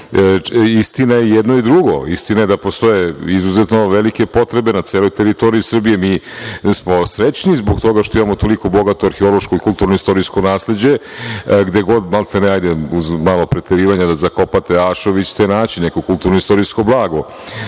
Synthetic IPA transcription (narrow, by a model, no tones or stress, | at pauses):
ist̪inajejed̪no̞id̪ɾuɡo̞ist̪inajed̪apo̞st̪o̞je̞izuzet̪no̞ʋelikepo̞t̪ɾe̞be̞nat̪seːlo̞jt̪eɾit̪o̞ɾiisr̩bije̞miː | smo̞sɾet͡ɕnizboɡt̪o̞ɡaʃt̪o̞imamot̪o̞liko̞bo̞ɡat̪oaɾxeo̞lˠo̞ʃkoikulˠt̪uːɾnoist̪o̞ɾisko̞naːsle̞d͡ʑe̞ɡd̪e̞ɡo̞d̪malˠt̪eneaːjd̪euzmaːlopɾet̪eɾiːʋaɲad̪azako̞pat̪eaːʃo̞ʋit͡ɕt̪enaːt͡ɕinnekokulˠt̪uːɾnoist̪o̞ɾisko̞blˠaːɡo